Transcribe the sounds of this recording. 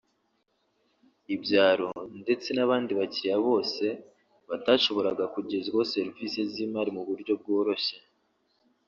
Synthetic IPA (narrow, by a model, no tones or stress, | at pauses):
ibɟaːɾo̞nde̞t͡se̞naβaːndiβaciɾijaβo̞ːse̞ | βataːʃo̞βo̞ɾaɡakuɟe̞zɡose̞ɾvise̞ziːmaːɾimuβuɾɟo̞b̚ɡo̞ːɾo̞çe